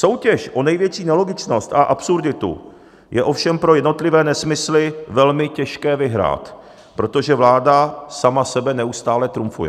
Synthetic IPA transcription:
so̞wcɛʃʔo̞nɛjvjɛt͡ʃiːnɛlo̞ɡɪt͡ʃno̞st̪aʔapsuɾdɪt̪ṵ | jɛ̰ʔo̞fʃɛmpɾo̞jɛdno̞t̪lɪvɛːnɛsmɪslɪvɛlmɪcɛʃkɛːvɪɦɾa̰ːt̪ | pɾo̞t̪o̞ʒɛvlaːdasamasɛbɛnɛust̪aːlɛt̪ɾumfṵjɛ̰

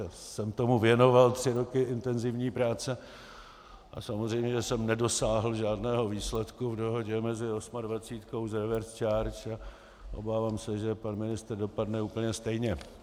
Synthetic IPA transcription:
sɛmt̪o̞muvjɛno̞valt̪r̥ɪɾo̞kɪɪnt̪ɛnzɪvɲiːpɾaːt͡sɛ | ʔa̰samozrɛjmɲɛʒɛsɛmnɛdo̞saːɦl̩ʒaːdnɛːɦo̞viːslɛt̪kuvdo̞ɦo̞ɟɛmɛzɪo̞smadvat͡siːt̪ko̞wzɛɾvɛɾst͡ʃaːɾt͡ʃa | ʔo̞̰baːvaːmsɛʒɛpanmɪnɪst̪r̩do̞padnɛuːpl̩ɲɛst̪ɛjɲɛ

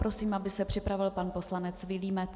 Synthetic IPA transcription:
pɾo̞siːmʔabɪsɛpr̥ɪpɾavɪlpanpo̞slanɛt͡svɪliːmɛt͡s

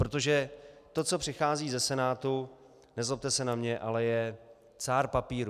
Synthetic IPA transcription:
pɾot̪o̞ʒɛt̪o̞t͡so̞pr̥ɪxaːziːzɛsɛnaːt̪u | nɛzlop̚t̪ɛsɛnamɲɛʔalɛjɛ | t͡saːɾpapiːɾu

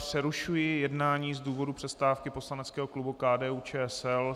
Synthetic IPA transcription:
pr̥ɛɾuʃujɪjɛdnaːɲiːzduːvo̞dupr̥ɛst̪aːfkɪpo̞slanɛt͡skɛːɦoklubukaːdɛːuːt͡ʃɛːɛsɛl

